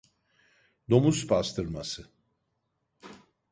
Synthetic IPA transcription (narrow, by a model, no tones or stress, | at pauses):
d̪o̞muspʰast̪ʰɯɾmasɯ